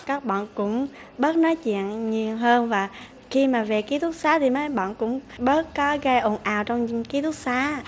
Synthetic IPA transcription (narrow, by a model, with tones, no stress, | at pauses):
kaː˦˥k̚ɓa̰ː˧˨nkʊ̰˧˥ŋ͡m | ɓəː˦˥t̚nɔ˨˦jt͡ɕḭ˧˨ənɲi˨˩əwɦəː˧nvaː˨˩ | xi˧maː˨˩ve˨˩ki˨˦t̪ʰu˦˥t̚saː˨˦t̪ʰi˨˩məː˨˦jɓa̰ː˧˨nkʊ̰˧˥ŋ͡mɓəː˦˥t̚kɔ˨˦ɣə˧jʔo˨˩nʔaː˨˩wt͡ɕɔ˧wŋ͡mki˨˦t̪ʰu˦˥t̚saː˨˦